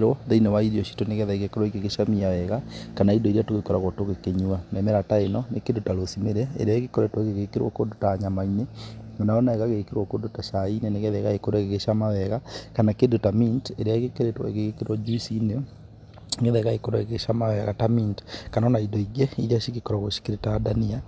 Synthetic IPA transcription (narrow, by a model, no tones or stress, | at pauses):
ɾwɔðeinewaiɾiɔʃi̥toneɣɛðaiɣekoɾɔikeɣeʃamiawɛɣakanaidɔiɾiatoɣekɔɾaɣɔtoɣekeɲuanɛmɛɾataenɔnekendotaɾosimeɾɛ̰ːɾeaeɣekoɾɛtwɔɣeɣekeɾwɔ̰kondotaɲamaineonaɔnaɛɣaɣeɣekeɾwɔkondotaʃaineneɣeðɛɣaekoɾaɣeɣeʃamawɛɣakanakendotaminteɾjaeɣekeɾetwa̰eɣeɣekeɾwɔd͡ʒusine | ɣeðɛɣaekoɾwaeɣeʃamawɛɣatamintkanɔnaidɔiɣɛiɾiaʃiɣekɔɾaɣoʃi̥keɾetadania